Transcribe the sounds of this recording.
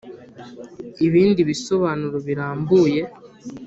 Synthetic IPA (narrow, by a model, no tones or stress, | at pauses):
iβiːndiβiso̞βaːnuɾoβiɾaːmbuːje̞